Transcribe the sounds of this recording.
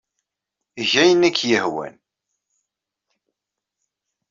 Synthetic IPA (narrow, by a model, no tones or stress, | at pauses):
ʝæjənækːjəhwæ̰n